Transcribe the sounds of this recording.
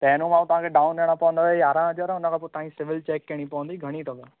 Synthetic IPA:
p̪ɛːnũmãːt̪ɐʋ̤ãːkʰeɖaːʊnɗeɽ̃apɐʋə̃nd̪aejaːɾãɐd͡ʑoɾɛʊnəkʰãpot̪ãːĩsɪʋɪlt͡ɕɛːkːeɽ̃ipɐʋə̃nd̪iɡʱɐɽ̃it̪ʰob̪a

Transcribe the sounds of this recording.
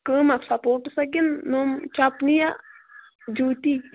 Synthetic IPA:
kəːmasapoːʈsɐɡinːomt͡ʃapnija | d͡ʒuːt̪i

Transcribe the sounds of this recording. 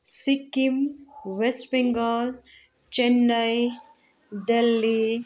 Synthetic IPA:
sikːimʋesʈbiŋɡəl | t͡ʃenːəj | d̪elːi

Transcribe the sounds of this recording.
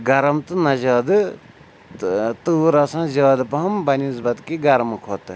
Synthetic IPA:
ɡɐɾɐmt̪ɨnɐzaːd̪ɨ | t̪uːɾɐsãzaːd̪ɨpɐɦɐmbɐnizbɐd̪kiɡɐɾɐmkʰoːt̪ɨ

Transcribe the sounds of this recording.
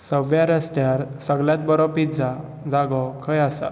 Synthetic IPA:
səʋjaɾəst̪jaɾsəɡljãt̪̚bəɾɔpid͡za | d͡zaɡɔkʰəjasa̰

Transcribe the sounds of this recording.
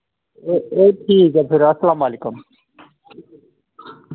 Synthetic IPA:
eʈʰiːkɐbʰiɾɐsɐlaːmaːlikum

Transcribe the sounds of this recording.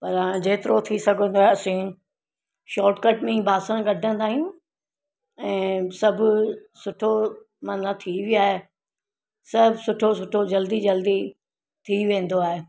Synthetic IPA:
pɐɾãd͡ʑeːt̪ɪɾot̪ʰisɐɡʱə̃nd̪oaːɦeɐsĩ | ʃɔːɾʈkəʈmẽbʱaːsə̃ɡɐɖʱə̃nd̪aːɦijũ | ɛ̃ːsɐbʱʊsʊʈʰo | mɐnat̪ʰiʋiaːɦe | sɐbʱsʊʈʰos̬ʊʈʰod͡ʑɐld̪id͡ʑɐld̪i | t̪ʰiʋẽːn̆d̪oaːɦeː

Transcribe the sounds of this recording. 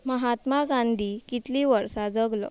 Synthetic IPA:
məɦat̪maɡãnd̪ʱikit̪liʋəɾsad͡zəɡlɔ̰

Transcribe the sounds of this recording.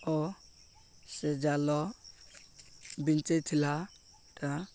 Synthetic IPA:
ɔ | sɛd͡ʒalɔ | bint͡ʃet̪ʰila | ta

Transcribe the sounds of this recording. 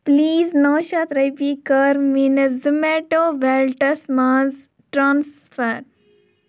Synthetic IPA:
pliːznoːʃat̪ɾɐjpiːkəɾminzəmeʈoːʋɛlʈəsmãːz | ʈɾãːnsfəɾ

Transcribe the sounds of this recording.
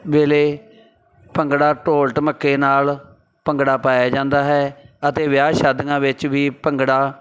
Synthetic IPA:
ʋeːleː | pəŋɡɽaːʈoːlʈməkːeːnaːl | pəŋɡɽaːpaːjaːd͡ʒãːnd̪aːɦɛːət̪eːʋɪjaːʃaːd̪ɡãːʋɪt͡ʃʋiːpəŋɡɽaː

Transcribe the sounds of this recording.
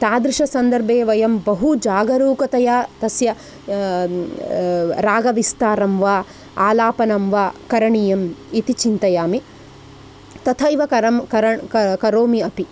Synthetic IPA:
t̪aːd̪ɾiʂɐsɐnd̪ɐɾbʱeːʋɐjɐmbɐɦud͡ʒaːɡɐɾuːkɐt̪ɐjaːt̪ɐsjɐ | ɾaːɡɐʋist̪aːɾɐmʋaː | aːlaːpɐnɐmʋaːkɐɾɐɳijɐmit̪it͡ʃint̪ɐjaːmi | t̪ɐt̪ʰɐjʋɐkɐɐmkɐɾɐkɐkɐɾoːmiɐpi

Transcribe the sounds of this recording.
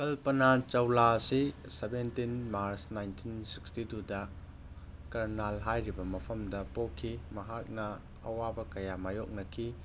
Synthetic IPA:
kɐlpɐnat͡ʃɐwlasisebentinmaɾsnajntʰinsi̥kstitudɐ | kɐɾnalɦajɾibɐmɐpʰɐmdɐpokʰːimɐɦak̚nɐ | ɐ̰wabɐkɐjamajok̚nɐkʰi

